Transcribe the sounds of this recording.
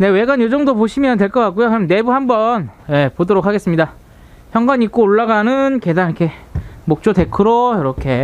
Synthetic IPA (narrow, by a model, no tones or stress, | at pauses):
ne̞we̞ɡanjod͡ʑʌŋdopoɕʰimjʌntwe̞ɭk͈ʌk͈ak͈ujokɯɾʌmne̞buɦambʌnje̞podoɾok̚ʰaɡe̞s͈ɯmɲida | çjʌŋɡaɲik͈oːɭːaɡanɯnkedaŋikʰe̞mok̚t͡ɕ͈ote̞kʰɯɾojʌɾʌkʰe̞